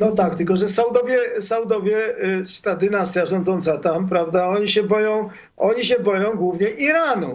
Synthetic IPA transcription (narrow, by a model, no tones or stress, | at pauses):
nɔt̪ak̚t̪ɘlkɔʐɛsawd̪ɔvʲjɛsawd̪ɔvʲjɛʂt̪ad̪ɘnast̪ʲjaʐɔ̃nd̪zɔnt̪sat̪ampɾavd̪aɔɲiɕɛbɔjɔ̃w̃ | ʔɔɲiɕ̬ɛbɔjɔ̃w̃ɡwuvɲɛʔiɾanu